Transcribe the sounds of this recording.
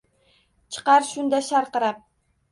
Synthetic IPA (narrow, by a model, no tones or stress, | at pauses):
t͡ʃʰɨ̥qɑɾʃʊnd̪aʃaɾqɨɾap̚